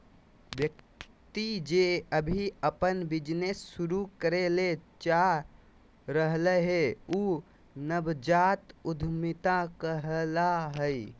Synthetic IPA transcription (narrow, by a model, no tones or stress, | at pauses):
bjək̚ | t̪id͡ʒeəbʱiəpənbid͡ʒnesːuɾukəɾelet͡ʃa | ɾəɦləɦeuː | nəbd͡ʒat̪ud̪ʱmit̪akəɦəlaɦəi